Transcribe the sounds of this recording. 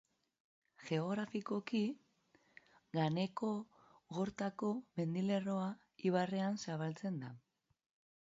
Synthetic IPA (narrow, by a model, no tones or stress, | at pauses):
ʝe̞o̞ɣɾafiko̞ki | ɣane̞ko̞ | ɣo̞ɾt̪ako̞me̞nd̪ile̞ro̞a | iβare̞ansaβalt͡se̞nd̪a